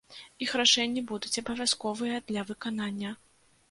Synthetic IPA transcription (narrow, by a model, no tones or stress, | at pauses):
ixraʂɛnʲːibud̪ut͡sʲɐbɐvʲaskɔvɨjɐd̪lʲɐvɨkananʲːɐ